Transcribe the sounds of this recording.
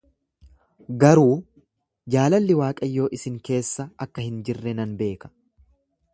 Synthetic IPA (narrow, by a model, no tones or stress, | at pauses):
ɡɐɾuː | d͡ʒaːlɐlːɪwaːkʼɐjːo̞ːʔɪsɪŋke̞ːsːɐɐkːɐhɪnd͡ʒɪrːɛnɐnbe̞ːkɐ̥